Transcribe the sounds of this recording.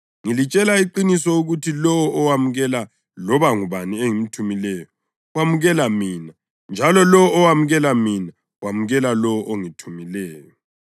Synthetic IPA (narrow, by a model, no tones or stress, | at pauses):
ŋilit͡ʃʼɛlaiǃinisɔuɣutʰilɔwɔʔɔwamuɣɛla | lɔβaŋuβanieŋim̩tʰumilɛːjɔ | wamuɣɛlamiːna | nd͡ʒʱalɔlɔwɔːwamuɣɛlamina | wamuɣɛlalɔwɔʔoŋitʰumilɛːjɔ